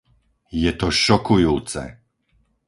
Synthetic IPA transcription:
jɛt̪ɔʃɔkujuwt̪sɛ̰

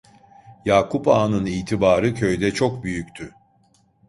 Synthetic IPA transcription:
jaːkʰupaːnɯniːt̪ʰibaːɾɯcʰø̞jd̪ɛt͡ʃʰo̞kbyjyct̪ʰy

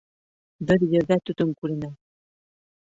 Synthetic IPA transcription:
bɘɾjɘ̆ɾðæt̪ɵt̪ɵŋkʉɾɘ̆næ

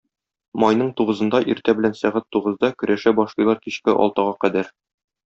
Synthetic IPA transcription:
mɒjnɤɴt̪uʁɤ̆zɤ̆nd̪ɑʔiɾt̪æbɘ̆lænsæʁæt̪ːuʁɤ̆zd̪ɑkɵ̆ɾʔæʃæbɒʃlˠɤjlˠɑɾkiɕkɘʔɒ̰lˠt̪ɑʁɑqæd̪æɾ

